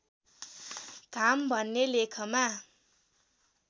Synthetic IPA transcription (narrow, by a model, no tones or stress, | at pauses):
ɡ̥ʱambʱʌnːelekʰʌma